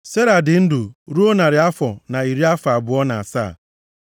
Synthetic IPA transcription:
se˦ɾa˨dɪ˨n̩˦du˨ɾu˦o˦na˨ɾɪ˨a˦fɔ˨na˨i˨ɾi˦a˦fa˨a˨bʊ˨ɔ˦na˨a˨sa̰˦˨

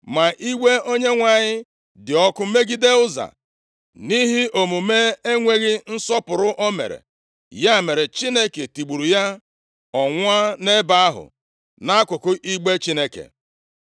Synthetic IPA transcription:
ma˨ʔi˦we˦o˦ɲe˦ŋʷa˨ɲɪ˦ | dɪ˨ɔ˦kʊ˦me˦ɡi˦de˦ʊ˦za̰˨ | ni˦ɦi˦ʔo˨mu˨me˦e˦ŋʷe˦ɣɪ˦n̩˦sɔ˦pʊ˨ɾʊ˦ʔɔ˦mḛ˨ɾḛ˨ | ja˦˨me˨ɾe˨t͡ʃi˦ne˦ke˨ti˨ɡ͡bu˨ɾu˨ja˦ | ɔ˨ŋʷ˦a˦ne˦ba˦a˦ɦʊ̰˨ | na˦kʊ˨kʊ˦ʔi˦ɡ͡be˦t͡ʃi˦ne˦kḛ˨

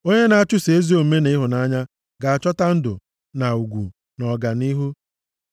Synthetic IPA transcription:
o˦ɲe˦na˨a˦t͡ʃʊ˦se˨e˦zi˦o˦m̩˦me˦ne˦ɦʊ˨na˦ɲa˦ | ɡa˨a˨t͡ʃɔ˦ta˦n̩˦dʊ̰˨ | na˨u˨ɡʷṵ˨ | nɔ˨ɡa˨ni˦ɦu˦

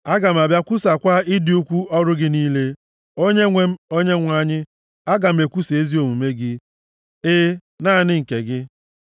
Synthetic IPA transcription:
a˦ɡa˨m̩˨a˨bja˦kʷu˦sa˨kʷa˦ɪ˦dɪ˨˦u˦kʷu˦ɔ˦ɾʊ˦ɡɪ˦niː˦le˦ | o˦ɲe˦ŋʷe˦m̩˦o˦ɲe˦ŋʷ˦a˦ɲɪ˦ | a˦ɡa˨m̩˨e˨kʷu˦se˦zi˦o˨mu˨me˦ɡɪ˦ | ɪ˦ | na˦˨nɪ˦ŋ̩˨ke˨ɡɪ˦

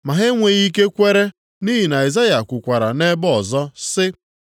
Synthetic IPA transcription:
ma˨ɦɪ˦ŋʷe˨ɣi˦ke˦kʷe˦ɾe˦ | ni˦ɦi˨na˨i˨za˦ja˨kʷʊ˨kʷa˨ɾa˨ne˦bɔɔ˨zɔ˦sɪ˦

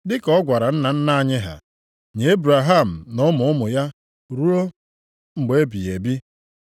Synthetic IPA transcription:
dɪ˦kɔ˦ɡʷa˨ɾa˨n̩˦na˨n̩˦na˦ɲɪ˦ɦa̰˨ | ɲe˨e˦bɾa˨ɦa˦˨m̩˨nʊ˦mʊ˨˦ʊ˦mʊ˨ja˦ | ɾu˦o˦ | ŋ͡m̩˨ɡ͡be˦bi˨e˨bi˦

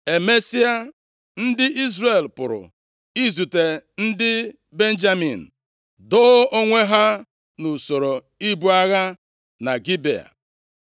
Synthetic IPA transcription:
e˨me˦si˦a˦ | n̩˦dɪ˦ʔi˦zɾe˨lpʊ̰˨ɾʊ̰˨ | i˦zu˨te˨n̩˦dɪ˦ | be˦n˦d͡ʒa˦mi˨n̩˨ | dʊ˦o˦ŋʷe˦ɦa˦ | nu˨so˨ɾo˨ | i˦bu˦a˦ɣa˦ | na˨ɡi˦bḛ˨a̰˨

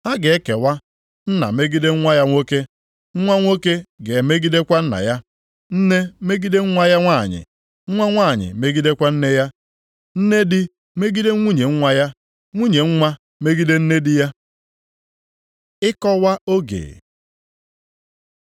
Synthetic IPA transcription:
a˦ɡe˨e˦ke˨wa˦ | n̩˦na̰˨me˦ɡi˦de˦ŋ̩˦ŋʷa˦ja˦ŋʷo˦ke˦ | ŋ̩˦ŋʷa˦ŋʷo˦ke˦ɡe˨me˦ɡi˦de˦kʷa˦n̩˦na̰˨ja˦ | n̩˦ne˦me˦ɡi˦de˦ŋ̩˦ŋʷa˦ja˦ŋʷa˦˨ɲɪ̰˨ | ŋ̩˦ŋʷa˦ŋʷa˦˨ɲɪ̰˨me˦ɡi˦de˦kʷa˦n̩˦ne˦ja˦ | n̩˦ne˦dɪ˦ | me˦ɡi˦de˦ŋʷu˦ɲe˨ŋ̩˦ŋʷa˦ja˦ | ŋʷu˦ɲe˨ŋ̩˦ŋʷa˦ | me˦ɡi˦de˦n̩˦ne˦dɪ˦ja˦ | ɪ˦kɔ˦wa˦o˦ɡḛ˨

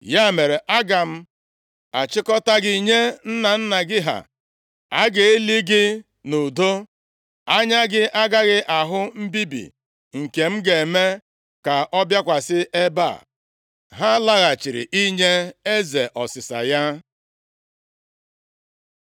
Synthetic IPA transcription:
ja˦˨me˨ɾe˨ʔa˦ɡa˨m̩˦ | a˨t͡ʃɪ˦kɔ˦ta˦ɡi˦ɲe˦n̩˦na˨n̩˦na˨ɡɪ˦ɦa̰˨ | a˦ɡe˨e˦li˦ɡɪ˦ | nu˨do˦ | a˦ɲa˦ɡɪ˦ʔa˦ɡa˦ɣɪ˦ʔa˨ɦʊ˦m̩˦bi˦bḭ˨ | ŋ̩˨ke˨m̩˦ɡe˨me˦ | ka˨ʔɔ˦bja˦kʷa˨sɪ˦ʔe˦ba̰˦˨ | ɦa˦la˦ɣa˨t͡ʃi˨ɾɪ̰˨ʔi˦ɲe˦e˦ze˨ʔɔ˨sɪ˨sa̰˨ja˦

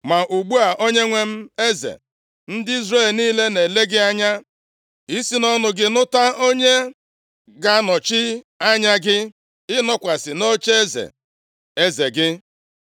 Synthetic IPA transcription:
ma˨ʔu˨ɡ͡bu˦a˨ʔo˦ɲe˦ŋʷe˦m̩˦e˦zḛ˨ | n̩˦dɪ˦i˦zɾe˦˨lniː˦le˦ne˨le˦ɡɪ˦a˦ɲa˦ | i˦si˦nɔ˦nʊ˨ɡɪ˦nʊ˦ta˦o˦ɲe˦ | ɡa˦nɔ˨t͡ʃɪ˦ | a˦ɲa˦ɡɪ˦ | ɪ˦nɔ˦kʷa˨sɪ˨no˦t͡ʃe˦e˦zḛ˨ | e˦ze˨ɡɪ˦

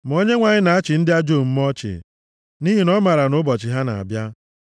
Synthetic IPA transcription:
m˨o˦ɲe˦ŋʷa˨ɲɪ˦na˨a˦t͡ʃɪ˨n̩˦dɪ˦a˦d͡ʒo˦˨m̩˦m˦ɔ˦t͡ʃɪ̰˨ | ni˦ɦi˨nɔ˦ma˨ɾa˨nʊ˦bɔ˨t͡ʃɪ˨ɦa˦na̰˨a̰˨bja˦

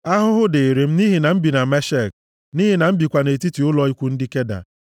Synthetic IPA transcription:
a˦ɦʊ˦ɦʊ˦de˨ɾe˨m̩˦ni˦ɦi˨na˨m̩˦bi˨na˨me˦ʃe˦˨k̚ | ni˦ɦi˨na˨m̩˦bi˨kʷa˨ne˨ti˦ti˨ʊ˦lɔ˦i˦kʷu˦n̩˦dɪ˦ke˦da̰˨

